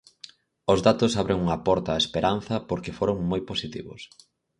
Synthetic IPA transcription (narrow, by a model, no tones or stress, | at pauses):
ʊzðat̪ʊsaβɾeŋuŋɐpɔɾt̪aːespeɾan̟θɐpoɾkefoɾoŋmojposit̪iβʊ̰s